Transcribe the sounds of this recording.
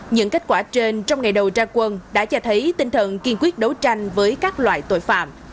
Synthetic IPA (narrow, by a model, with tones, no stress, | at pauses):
ɲɨ̰˧˥ŋke˦˥t̚kwaː˧˩t͡ɕe˧nt͡ɕɔ˧wŋ͡mŋa˨˩jɗə˨˩wt͡ɕaː˧kwə˧nɗa̰ː˧˥t͡ɕɔ˧t̪ʰə˨˦jt̪ï˧ŋt̪ʰə˨˩nki˧əmkwi˦˥ət̚ɗo˨˦wt͡ɕa˧jŋ̟vəː˨˦jkaː˦˥k̚lwa̰ː˧˨jt̪o̰˧˩˨jfa̰ː˧˩˨m